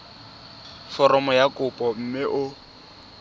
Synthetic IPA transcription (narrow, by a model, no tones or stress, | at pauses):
fɔɾɔmɔjakʼʊpʼɔm̩mɪʔʊ